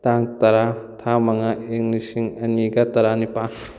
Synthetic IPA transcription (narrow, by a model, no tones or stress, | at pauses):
taŋtɐɾatʰamɐŋaiŋlisiŋɐniɡɐtɐɾanipa